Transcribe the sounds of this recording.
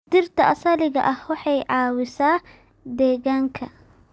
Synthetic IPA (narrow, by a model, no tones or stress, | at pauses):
d̪ɪrt̪ʰɐʔɐsɐlɪɣɐ̰ʔɐhwɑħɑjʕɑːwɪsaː | d̪ɛːɣaːŋkʰɐ̰